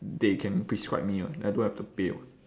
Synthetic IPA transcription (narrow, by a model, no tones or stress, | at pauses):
dekʰɛ̃npɹiskɹa̰ɪp̚miəajdõnhɛftupḛl